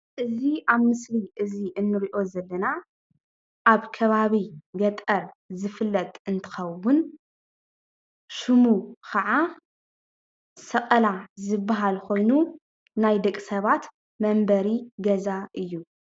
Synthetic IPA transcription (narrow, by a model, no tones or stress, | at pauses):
ʔɨziaβmɨsliʔɨziʔɨnːɨɾiʔo̞zɐlːɐna | ʔaβkʰɐβaβiɡɐt̪ʼɐɾ | zɨfɨlːɐt̪ʼɨnt̪ʰɨ̥xɐwːʊn | ʃɨmukʰɐʕa | sɐqʼɐlazɨbːaɦalkʰo̞jnu | najd̪ɐkʼsɐβat̪ | mɐmbɐɾiɡɐzaʔɨjːu